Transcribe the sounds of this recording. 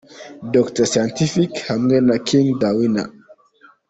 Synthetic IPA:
dɔktəsajɔ̃ntifikhamɡɛnakʰiŋd̪awina̰

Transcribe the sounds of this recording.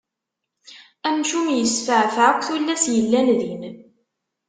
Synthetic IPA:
æmʃumjəsfəʕfʕkʷːθulːæsjəlːænðin

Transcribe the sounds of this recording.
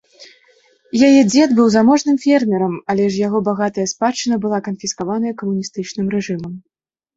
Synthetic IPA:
jajɛd͡zʲɛd̪bɨwzamɔʐnɨmfʲɛrmʲɛɾɐmɐlʲɛʐjaɣɔbaɣat̪ɐjɐspat͡ʂːɨnɐbɨlˠakɐnfʲiskavan̪ɐjɐkɐmunʲist̪ɨt͡ʂnɨmɾɛʐɨmɐm

